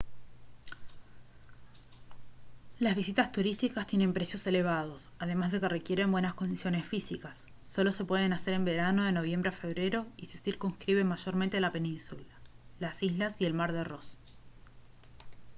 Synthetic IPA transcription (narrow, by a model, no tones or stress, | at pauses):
lazβis̬it̪ast̪uɾist̪ikast̪jene̞mpɾe̞sjose̞le̞β̞að̞o̞saðe̞mazð̞e̞ke̞re̞kje̞ɾembwe̞nasko̞nd̪isjo̞nesfisikasː | o̞lo̞se̞pwe̞ð̞e̞nase̞ɾe̞mbe̞ɾano̞ðe̞no̞β̞je̞mbɾeafe̞βɾe̞ɾo̞ise̞siɾkonskɾiβe̞maʒo̞ɾment̪elape̞nĩnsula | lasizlasie̞lmaɾðero̞s